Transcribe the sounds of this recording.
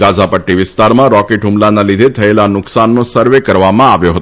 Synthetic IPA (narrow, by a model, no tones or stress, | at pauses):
ɡad͡ʒʱapəʈːiʋɪst̪aɾmãɾɔkeʈɦumlanalid̪ʱet̪ʰəelanʊksanːosəɾʋekəɾʋamãaʋjoɦət̪o